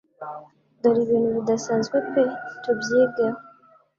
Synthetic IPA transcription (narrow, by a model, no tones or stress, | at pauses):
doɾiβiːn̤huβidasaːnzɡwekwetubjeɡa